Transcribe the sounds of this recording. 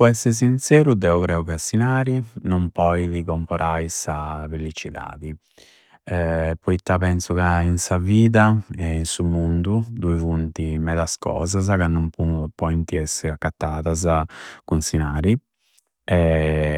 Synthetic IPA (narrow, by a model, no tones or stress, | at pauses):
pɔɛsːɛɾs̬insɛːɾud̪ɛɔkɾɛːukasinaːɾinɔmpɔjvikɔmpɔɾʔajsavelit͡ʃiða̰ːði | ɛpɔit̪ːapɛnsukainsaviːðaɛinsumund̪ud̪uivunt̪imɛðaskɔ̰ːzazakanːɔmpupɔint̪iɛsːɛakːat̪ːaːðazakunsinaːɾi | ɛ